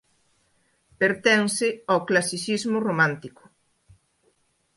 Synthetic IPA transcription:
peɾt̪ɛnsɪawklasisizmʊromãnt̪ikʊ̥

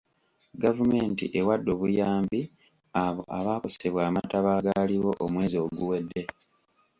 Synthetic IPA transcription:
ɡavume̞ːntḭʔe̞wadːo̞ːβujaːmbi | aβo̞̰ʔaβaːkoseβwaːmataβaːɡaliwo̞ʔomwe̞ːzio̞ɡuwe̞dːe̞

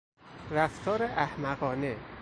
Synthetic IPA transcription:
ræft̪ʰɒːɾeʔæhmæɣɒːne

